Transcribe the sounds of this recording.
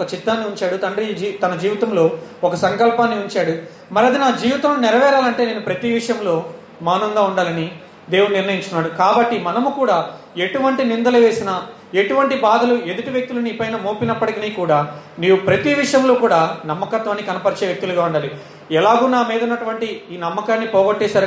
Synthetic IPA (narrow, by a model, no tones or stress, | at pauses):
kɐt͡ʃit̪ːaːnːiuɲt͡ʃaːɽut̪ɐɳɖɾid͡ʒit̪ɐnɐd͡ʒiːʋit̪ɐmlo̞ːɔkɐsɐŋkɐlpaːnːiuɲt͡ʃaːɽu | mɐɾɐd̪inaːd͡ʒiːʋit̪ɐmlunɛɾɐʋɛːɾaːlɐɳʈe̞ːneːnupɾɐt̪iʋiʂɐjɐmlo̞ː | maːnɐŋɡaːuɳɖaːlɐni | d̪e̞ːwuuniɾnɐjiɲt͡ʃuunːaːɽukaːbɐʈːimɐnɐmukuːɽaː | e̞ʈuʋɐɳʈinind̪ɐlɐʋe̞ːsinɐ | e̞ʈuʋɐɳʈibaːd̪ɐluʔe̞d̪uʈiʋjek̚t̪uluniːpɐjnɐmoːpinɐpːɐʈikiniːkuːɽaː | niːʋupɾɐt̪iʋiʂɐjɐmlo̞ːkuːɽaːnɐmːɐkɐt̪ʋaːnːikɐnɐpɐɾt͡ʃeːʋjek̚t̪uluɡaːuɳɖaːli | ɛlaːɡuːnaːmiːd̪unːɐʈuʋɐɳʈiiːnɐmːɐkaːnːipɔːɡɐʈːeːsɐɾ